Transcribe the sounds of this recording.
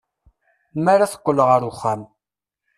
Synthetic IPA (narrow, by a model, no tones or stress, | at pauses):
maɾaθə̥qʷːələʁəɾʊχːam